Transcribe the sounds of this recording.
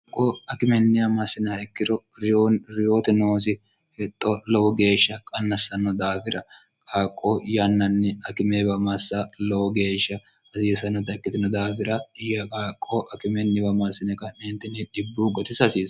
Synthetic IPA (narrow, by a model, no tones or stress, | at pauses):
kʼːoɐkɪmɛnːɪjɐmɐsːɪnɛhɐɪkːɪɾɔ | ɾɪjoːnɾɪjoːt̪ɛnoːs̬ɪ | hɛt̪ʼːɔlɔwɔɡe̞ːʃːɐkʼɐnːɐsːɐnːɔd̪aːfɪɾɐ | kʼaːkʼːojɐnːɐnːɪɐkɪmeːbɐmɐsːalɔwɔɡe̞ːʃːɐ | hɐsiːsɐnːɔt̪ɐkːɪt̪ɪnɔd̪aːfɪɾɐjɐkʼaːkʼːoːʔɐkɪmɛnːɪbɐmasɪnɛkʼɐnɛːnt̪ːɪnɛᶑɪbːuːɡɔt̪ɪsɐsiːs